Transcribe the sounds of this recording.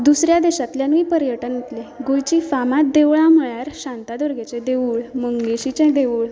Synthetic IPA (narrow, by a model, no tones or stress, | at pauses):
d̪usɾjad̪eɕat̪ljanʋiːpəɾjəʈənet̪leɡujt͡ɕiːfamat̪̚d̪eʋɭãm̤əɭjaɾɕãnt̪ad̪əɾɡʱet͡ɕẽd̪eʋuːɭməŋɡɡeɕit͡ɕɛ̃d̪euːɭ